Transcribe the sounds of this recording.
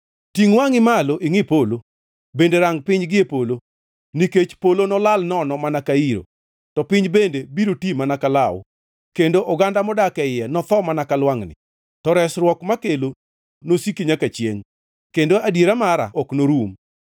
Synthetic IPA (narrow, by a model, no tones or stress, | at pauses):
tiŋwaŋɪmaloʔiŋɪpolo | bendeɾaŋpɪɲɡɪepolo | niket͡ʃpolonɔlalnɔnɔmanakaiɾo̰ | tɔpɪɲd͡ʒbendebiɾotimanakalawʊ̰ | kendoʔɔɡandamɔdakɛɪjɛnɔt̪ɔmanakalwaŋnɪ̰ | tɔɾɛsɾwɔkmakelo | nosikiɲakat͡ʃjḛŋ | kendoadjeɾamaɾa̰ʔɔknoɾum